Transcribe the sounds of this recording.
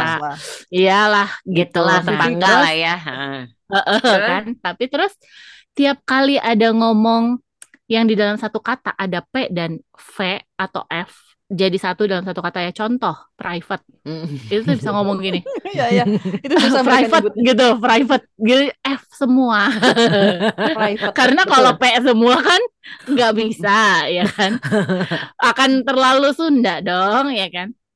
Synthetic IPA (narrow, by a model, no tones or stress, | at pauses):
aijalahɡit̪ulat̪əpaŋɡalajaəə | əʔəkant̪apit̪əɾʊs | t̪iap̚kaliʔadaŋomɔŋ | jaŋdidalamsat̪ukat̪a̰ʔadapedan | feat̪a̰wʔɛf | d͡ʒadisat̪udalamsat̪ukat̪ajat͡ʃɔnt̪ɔhpɾʔajfət̪̚it̪ut̪abisaŋomɔŋɡinɪ | pɾajfət̚ɡit̪upɾajfət̪̚ɡit̪uɛfsəmua | kaɾənakalopesəmuakanŋɡaʔbisajakan | akant̪ərlalusundadɔŋjakan